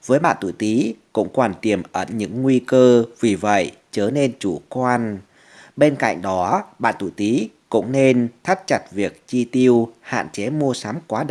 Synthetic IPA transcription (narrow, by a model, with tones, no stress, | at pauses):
vəː˨˦jɓa̰ː˧˨nt̪ṵ˧˩˨jt̪i˨˦kʊ̰˧˥ŋ͡mkɔ˨˩nt̪i˨˩əmʔəː˧˩nɲɨ̰˧˥ŋːwi˧kəː˧vi˨˩və̰˧˨j | t͡ɕəː˨˩˦ne˧nt͡ɕu˧˩kwaː˧n | ɓe˧nka̰˧˨jŋ̟ɗɔ˨˦ɓa̰ː˧˨nt̪ṵ˧˩˨t̪i˨˦kʊ̰˧˥ŋ͡mne˧nt̪ʰə˦˥t̚t͡ɕa˨˩t̚vi˨˩ək̚t͡ɕi˧t̪i˧əwha̰ː˧˨nt͡ɕe˨˦mu˧əsa˨˦mkwaː˨˦ɗ